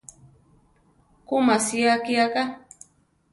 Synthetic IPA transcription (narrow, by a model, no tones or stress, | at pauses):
kʊmasiakiaka